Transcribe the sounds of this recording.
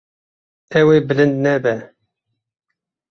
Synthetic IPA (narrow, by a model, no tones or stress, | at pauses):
ɛwebɨlɨnd̪nɛbɛ